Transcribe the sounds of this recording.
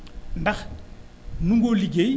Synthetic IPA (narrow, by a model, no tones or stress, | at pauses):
ndaχ | nuŋɡoliɡe